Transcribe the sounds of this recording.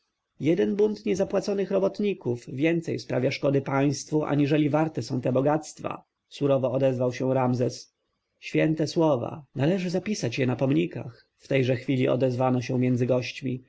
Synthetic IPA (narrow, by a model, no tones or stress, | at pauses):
jɛd̪ɛnbunt̪ɲɛzapwat̪sɔnɘxɾɔbɔt̪ɲikuvvʲjɛnt̪sɛjspɾavʲjaʂkɔd̪ɘpaj̃st̪fuʔa̰ɲiʐɛlʲivaɾt̪ɛsɔ̃w̃t̪ɛbɔɡat̪st̪fa̰ | suɾɔvɔːd̪ɛzvawɕɛ̃ɾamzɛs | ɕfʲjɛnt̪ɛswɔva̰nalɛʐɘzapʲisat͡ɕjɛnapɔmɲika̰x | ft̪ɛjʐɛxfʲilʲiʔɔ̰d̪ɛzvanɔɕɛ̃mʲjɛnd̪zɘɡɔɕt͡ɕmʲi